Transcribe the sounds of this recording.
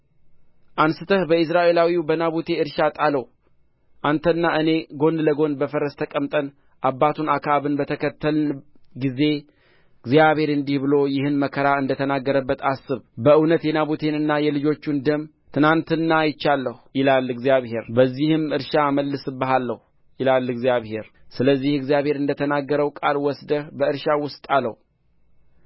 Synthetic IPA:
ʔansɨt̪ʰəhbəɨs̬ɾaʔe̞lawiwbənaβut̪ʰe̞ɨɾʃat̪ʼaləw | ʔant̪ʰənːaʔɨne̞ɡo̞nd̪ləɡo̞nbəfəɾəst̪ʰəkʼəmt̪ʼən | ʔabːat̪ʰunakʰaβɨnbət̪ʰəkʰət̪ʰːəlɡize̞ | ɡzjaβhe̞ɾɨnd̪ihbɨlo̞jɪhɨnməkʰəɾaɨnd̪ət̪ʰənaɡːəɾəbːət̪ʰasɨβbəɨwnət̪jɛnaβut̪ʰe̞nɨnːajɛlɨd͡ʒo̞t͡ʃːund̪əm | t̪ʰɨnant̪ɨnːajɪt͡ʃːalːəhujɪlalːɨɡzjaβhe̞ɾbəzːihɨmɨɾʃaməlːɨsɨbəɦalːəhu | jɪlalːɨɡzijaβhe̞ɾ | sɨləzːihɨɡzjaβhe̞ɾɨnd̪ət̪ʰənaɡːəɾəwkʼalwɔsd̪əbəɨɾʃawʊst̪ʼalə̰h

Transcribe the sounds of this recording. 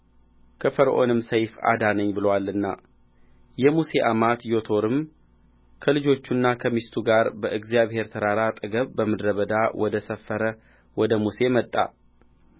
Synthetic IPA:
kʰəfəɾʔo̞̰nɨmsəjfa̰d̪anəɲːbɨləwalːɨnːa̰ | jɛmuse̞ʔamat̪jo̞t̪ʰo̞ɾɨm | kʰəlɨd͡ʒo̞t͡ʃːunːakʰəmist̪ʰuɡaɾbəʔɨɡzijaβhe̞ɾt̪ʰəɾaɾat̪ʼɨɡəβbəmɨd̪ɾəβəd̪awɔd̪əsəfːəɾə | wɔd̪əmuse̞mət̪ʼːa̰

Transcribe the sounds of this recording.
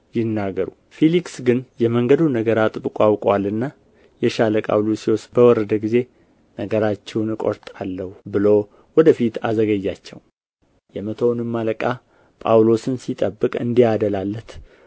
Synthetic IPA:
jɪnːaɡəɾu | feliksɡɨnjɛməŋɡəd̪unəɡəɾat̪ʼɨbɨkʼwawkʼwalːɨnːa | jɛʃaləkʼa̰wlusiwɔsbəwɔɾəd̪əɡize̞ | nəɡəɾat͡ʃːɛwnɨkʼo̰ɾt̪ʼalːəhubɨlo̞ | wɔd̪əfit̪azəɡəjːat͡ʃːɛ̰w | jɛmət̪ʰownɨmːaləkʼa | pʼawlo̞sɨnsit̪ʼəbːɨkʼɨ̰nd̪iad̪əlalːət̪

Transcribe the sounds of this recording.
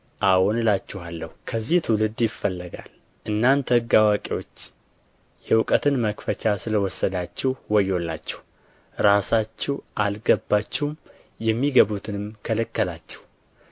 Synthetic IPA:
ʔawɔnɨlat͡ʃːɛhalːəhukʰəzːiht̪ʰɨwlɨd̪jɪfːəlːəɡa̰l | ʔɨnːant̪ʰəɡawakʼiwo̞t͡ʃː | jɛwʊkʼət̪ʰɨnməkfət͡ʃʰasɨləwɔsːəd̪at͡ʃːɛhwɔjːolːa̰t͡ʃːɛ̥h | ɾasat͡ʃːɛʔalɡəbːat͡ʃːɛwm | jɛmːiɡəβut̪ʰɨnɨmkʰələkːəlat͡ʃːɛh

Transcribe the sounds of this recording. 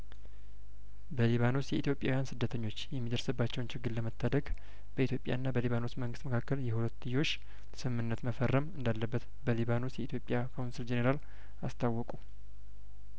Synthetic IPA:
bəliβano̞sjɛit̪jo̞pʼjawjansɨd̪ːət̪ʰəɲːo̞t͡ʃːjɛmːid̪əɾsɨbːat͡ʃːɛwnt͡ʃʰɪɡːɨlləmət̪ʰːad̪əɡ | bəit̪ʰjo̞pʼja̰ɨnːabəliβano̞sməŋɡɨst̪məkʰakːəljɛhulət̪ːɨjo̞ʃː | sɨmːɨnːət̪məfərːəmɨnd̪alːəbːət̪ | bəliβano̞sjɛit̪ʰjo̞pʼjakʰawnsild͡ʒeneɾal | ast̪ʰawːɔkʼu

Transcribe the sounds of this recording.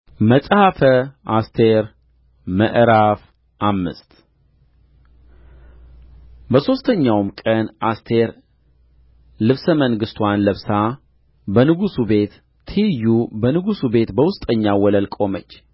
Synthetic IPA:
məsʼhafəast̪ʰeɾ | məʔɾaf | ʔamːɨ̰st̪ | bəso̞st̪ʰəɲːawmkʼənʔast̪ʰe̞ɾ | lɨβsəməŋɡɨst̪ʰwanləβsa | bənɨɡusube̞t̪ːʰ | ijːubənɨɡusube̞t̪bəwʊst̪ʼəɲːawɔləlkʼo̞mət͡ʃː

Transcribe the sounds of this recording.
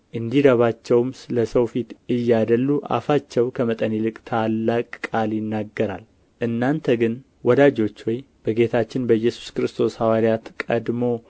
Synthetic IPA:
ʔɨnd̪id̪əβat͡ʃːɛwmsɨləsəwfit̪ɨjːad̪əlːuʔa̰fat͡ʃːɛwkʰəmət̪ʼənilɨkʼt̪ʰalːakʼkʼːaljɪnːaɡːəɾa̰l | ʔɨnːant̪ʰəɡɨn | wɔd̪ad͡ʒo̞t͡ʃːwɔj | b̥əɡe̞t̪ʰat͡ʃːɪnbəjːɛsu̥skɾɨst̪ʰo̞shawaɾijat̪kʼəd̪mo̞

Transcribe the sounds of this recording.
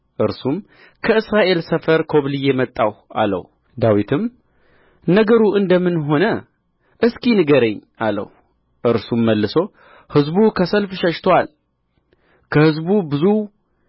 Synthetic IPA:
ʔɨɾsum | kʰəɨsɾaʔe̞lsəfəɾkʰo̞βlɨjemət̪ʼːawa̰lə̰w | d̪awit̪ʰɨm | nəɡəɾuʔɨnd̪əmːɨnɦo̞nə | ʔɨskʰʼinɨɡəɾeɲː | alə̰w | ʔɨɾsumːəlːɨso̞ | hɨzbukʰəsəlfʃəʃt̪ʰoal | kʰəhɨzbubɨzu

